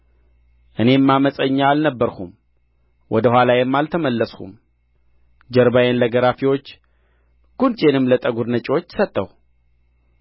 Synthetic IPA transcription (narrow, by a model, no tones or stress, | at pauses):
ʔɨne̞mːaməsʼəɲːaːlnəbːəɾhum | wɔd̪əhʷalajɛmːalt̪ʰəməlːəshṵm | d͡ʒəɾbajenləɡəɾafiwo̞t͡ʃː | ɡ̥unt͡ʃʼenɨmlət̪ʼəɡuɾnət͡ʃʼiwo̞t͡ʃːsət̪ʼːəw